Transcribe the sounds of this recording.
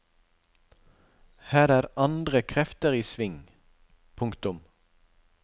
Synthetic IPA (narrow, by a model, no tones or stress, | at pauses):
hæːɾæːɾɑnd̪ʁəkʰʁɛft̪əʁiːsʋɪŋ | pʰʊŋkt̪ʊm